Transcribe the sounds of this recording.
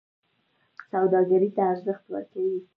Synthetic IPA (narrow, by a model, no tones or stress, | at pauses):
sawd̪ɑɡaɾit̪aːɾzəxt̪wə̰ɾkawi